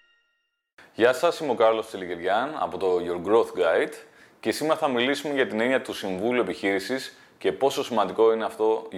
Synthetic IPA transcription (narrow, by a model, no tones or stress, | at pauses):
jɐsɐsimeo̞kɐɾlo̞st̪eliciɾʝɐnɐ̰po̞t̪o̞ʝoɾɡɾoθɡajd̪ | ce̞sime̞ɾɐθɐmilisumeʝɐt̪ine̞niɐt̪usiɱvuliue̞piçiɾisis | ce̞po̞so̞simɐnd̪iko̞ineɐft̪o̞